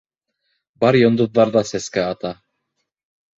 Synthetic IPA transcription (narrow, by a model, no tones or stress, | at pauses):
bɑɾjŏnd̪ɤ̆ðːɑɾðɑsæskæɑt̪ɑ